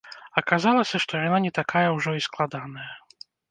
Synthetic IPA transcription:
ɐkazalˠɐsʲɐʂt̪ɔjananʲɛt̪akʰajɐwʐɔisklˠad̪anɐjɐ

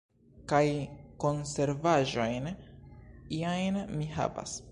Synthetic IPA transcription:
kajko̞nse̞ɾvaʒo̞jn | iajnmiɦa̰va̰s

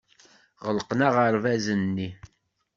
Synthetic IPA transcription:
ʁəlqnaʁəɾvæzənːi

